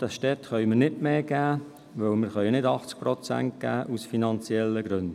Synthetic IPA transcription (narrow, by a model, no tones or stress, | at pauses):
d̥ɑsʃtɛt̪χœʏmənɪdmeːɡ̥æː | ʋœlməɾχœʏnɪdɑχt͡sk̚pɾɔt͡sæ̰nt̚ɡ̥æ̰ːʔusfinɑnt͡sjɛlːəɡɾɵnd